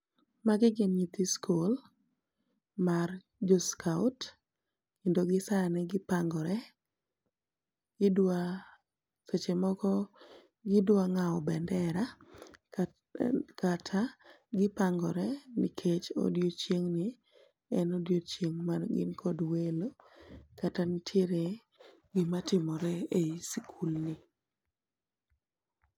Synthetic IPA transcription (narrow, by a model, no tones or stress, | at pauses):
maɡɪɡɪnɲit̪iskʰol | mar | d͡ʒoskʰaʊt | kendoɡɪsanɛɡɪpaŋɡɔɾɛ | ɡ̥ɪdwa | set͡ʃemɔkɔ | ɡɪdwaŋaɔbɛndɛɾa | katʰa | ɡɪpaŋɡɔɾɛnḭkʰet͡ʃo̰djot͡ʃjeŋnɪ | ɛnodjot͡ʃjeŋmanɡɪ̰nkʰɔdwelokatanitʰjeɾe | ɡɪmatɪmɔɾɛeisikʰulnɪ